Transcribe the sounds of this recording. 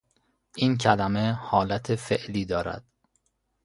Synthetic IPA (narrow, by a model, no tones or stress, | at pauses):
ʔiːncʰælæmehɒːlæt̪ʰefeʔliːd̪ɒːɾæ̰d̪̥